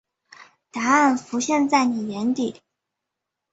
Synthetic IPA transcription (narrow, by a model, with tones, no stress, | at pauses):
t̪a˧˥a˥˩nfu˧˥ɕjɛ˥˧nt͡sa˥˩ɪni˨˩jɛ˧˥nt̪i˨˩˦